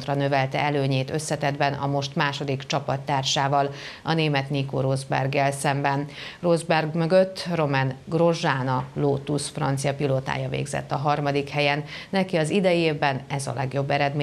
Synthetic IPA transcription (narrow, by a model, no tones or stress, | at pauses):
t̪rɒnø̞vɛlt̪ɛ̰ɛløːɲeːt̪ø̞sːɛt̪ɛd̪bɛnɒ̰mo̞ʃt̪maːʃo̞d̪ikt͡ʃɒpɒt̪ːaːrʃaːvɒl | ɒneːmɛt̪niko̰ɾozbɛ̰rɡɛlsɛmbɛnrozbɛrɡmø̞ɡøt̪ːro̞mɛnɡro̞ʒaːnɒloːt̪usfrɒnt̪sijɒpiloːt̪a̰ːjɒvḛːɡzɛ̰t̪ːɒɦɒrmɒd̪ikhɛjɛnːɛkiɒzid̪ɛjeːvbɛnɛzɒ̰lɛɡjo̞bːɛɾɛd̪me